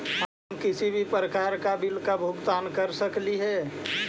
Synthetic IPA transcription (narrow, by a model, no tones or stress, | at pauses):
ɦə | mkɪsibʱipɾəkaːɾkabilkabʱʊɡt̪aːnkəɾsəkliɦɛ